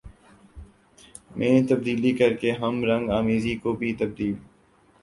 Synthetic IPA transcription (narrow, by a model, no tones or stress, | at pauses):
mʔẽːt̪ɐb̚d̪iːlikɐɾkeɦɐmɾɐ̃ŋɡaːmiːzikobʱit̪ɐb̚d̪iːl